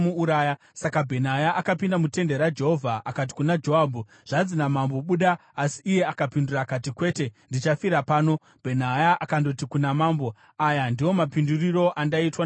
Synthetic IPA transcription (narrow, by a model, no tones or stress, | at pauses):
muuɾaːja | sakabʱe̞najaʔakapindamute̞nde̞ɾad͡ʒe̞ɦo̞vʱaʔakat̬i̥kunad͡ʒo̞ɦabʱu | ʐ̥ad͡zinamambo̞ɓuɗaasiːje̞akapindurakatikwe̞ːte̞ndit͡ʃafiɾapaːno̞ | b̥ʱe̞najaʔakando̞tikunamaːmbo̞ | ajandiwo̞mapinduriro̞ʔandaitwa